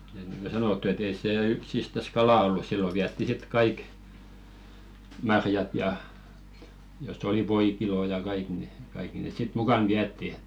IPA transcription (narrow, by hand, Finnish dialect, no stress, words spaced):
et niŋɡ̊o sɑnotːu et ei seː yksistæs kɑlɑˑ olːu silːo ʋiætːi sit kɑik mɑrjɑt jɑ josˑ oli ʋoikiloˑ jɑ kɑik ni kɑikːi nes sit mukɑn ʋiætːi